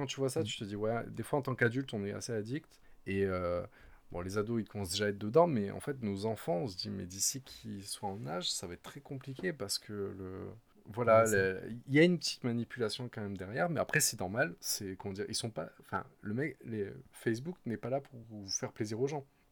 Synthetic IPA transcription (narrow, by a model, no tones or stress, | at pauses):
kɑ̃t̪yvwasat̪̬y̥t̪əd̪iwɛd̪efwaɑ̃t̪ɑ̃kad̪ylt̪ɔ̃nɛa̰sead̪ikt̪eøbɔ̰̃lezad̪oikɔ̃s̬d̪eʒaɛt̪d̪əd̪ɑ̃mɛɑ̰̃fɛt̪nozɑ̃fɑ̃ɔ̃s̬əd̪imɛ̰d̪isikʲʰiswaɑ̃naʒsavaɛt̪̚ːt̪ːχɛkɔ̃plik̬ʲepaʁsə̥kʰələ̰ | vwalaləiljaynpət̪i̥t̪manipylasjɔ̃kɑ̃mɛmd̪ɛʁjɛʁmɛapχɛsɛnɔʁmalsɛkɔmɑ̃d̪iʁḭlsɔ̃paɑ̃fɛ̰̃ləmɛklefɛs̬buknɛpalapuʁuvufɛʁpleziʁoʒɑ̃